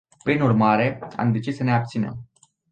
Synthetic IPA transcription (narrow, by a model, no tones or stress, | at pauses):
pɾinurmaɾe̞a̰md̪e̞t͡ʃissːəne̞ap̚t̪sinḛm